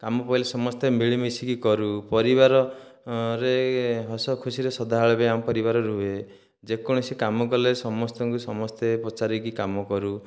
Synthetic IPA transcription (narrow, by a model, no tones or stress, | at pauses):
kamɔpailesɔmɔst̪emiɭimisikikɔɾupɔɾiβaɾɔ | ɾeɦɔsɔkʰusiɾesɔd̪ʱaɦaɭɔbeamɔpɔɾibaɾɔɾue | d͡ʒekɔɽ̃ɔsekamɔkɔlesɔmɔst̪ɔŋkusɔmɔst̪epɔt͡ʃaɾikikamɔkɔɾu